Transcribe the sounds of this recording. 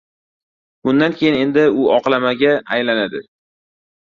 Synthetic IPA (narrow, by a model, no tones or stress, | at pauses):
bʊnd̪ankʲʰe̞jɪne̞nd̪ɪʊɒqlˠamaɡʲaːjlanad̪ɪ